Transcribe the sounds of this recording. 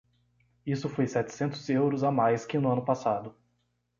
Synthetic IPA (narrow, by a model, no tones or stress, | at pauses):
isʊfojsɛt͡ʃ̪ɪ̥sẽnt̪ʊzewɾʊzamajskɪnʊɐ̃nʊpasad̪ʊ